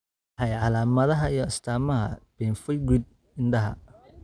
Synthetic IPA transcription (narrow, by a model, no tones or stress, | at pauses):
ħɑjʕɑlaːmɐðɐɦɐijɔɐst̪ʰaːmɐɦɐ̰b̥ɛːnfɛjɡɪd̪̚ | ɪnɖɐɦɐ̰